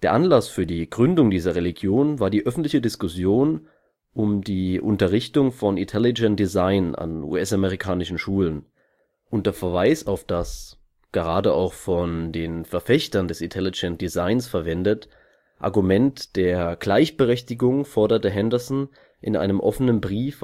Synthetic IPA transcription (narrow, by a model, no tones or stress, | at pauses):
d̥eːɐʔanlasfyːɐdiːɡʁʏndʊŋdiːzɐʁeliɡjoːnvaːɐdiːʔœfn̩tlɪçədɪskʊsjoːn | ʔʊmdiːʔʊntɐʁɪçtʊŋfɔnɪntʰɛlɪd͡ʒɛntd̥izaɪna̰nṵːɛsameʁikʰaːnɪʃn̩ʃuːlən | ʔʊntd̥eɐfɛɐvaɪsaʊfd̥as | ɡ̥əʁaːdəʔa̰ʊxfɔndeːnfɛɐfɛçtɐndɛsɪntʰɛlɪd͡ʒɛnt̚d̥izaɪnsfɛɐvɛndət | ʔa̰ɐɡumɛntd̥eːɐɡ̥laɪçb̥əʁɛçtɪɡʊŋfɔɐdɐtəɦɛndəɐsn̩ | ʔɪnʔa̰ɪnəmʔɔfənənbʁiːf